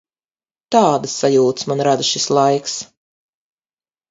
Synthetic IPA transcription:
t̪aːd̪əsːajuːt̪smanɾad̪ɨʃislˠajks

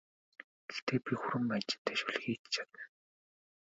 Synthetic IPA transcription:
ɡ̥ext̪ʰeːpʲixʊɾɘ̆mat͡ɕɪ̥̆nt̪ʰeːʃuɮ̆xiːt̪t͡ɕʰḁt̪ə

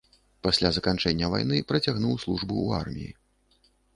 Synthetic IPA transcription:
pasʲlʲazɐkant͡ʂɛnʲːɐva̰jnɨpɾɐt͡sʲaɣnuwslˠuʐbuua̰rmʲḭjḭ

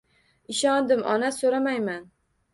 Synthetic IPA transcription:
ɪʃɒnd̪ɪmʔɒ̰nasoɾamajman

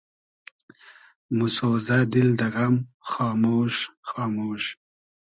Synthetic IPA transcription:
mʊsoːzad̪ɪld̪ɐɣamxɑːmoːʃxɑːmoːʃ

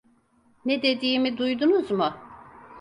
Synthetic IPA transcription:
ned̪e̞d̪iːmid̪ujd̪unuzmʊ

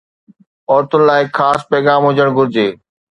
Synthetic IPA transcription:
ɔːɾt̪ʰʊnɪ̆laːɪxʰaːspɛːɣaːmɦʊd͡ʑəɽ̃ɡʱʊɾɪd͡ʑeː

